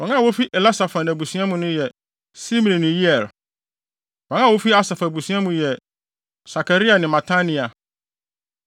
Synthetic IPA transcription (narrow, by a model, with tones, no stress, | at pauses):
wɔ̃˨ŋã˦˨wo˦fi˦ʔɛ˨la˦sa˨fã˨nã˨bu˨sɥ̃ã˦mʊ̃˨nʊ̃˦jɛ˨ | si˦m̃˨nĩ˨nʊ̃˨ji˦ɛ˨l | wã˨˦ŋã˦˨wo˦fi˦a˦sa˨fa˨bu˨sĩ˦ã˦mũ˨jɛ˨ | sa˨kʰa˨ɾi˦a˨nɪ̃˨mã˨tʰa˦nĩ˨a˨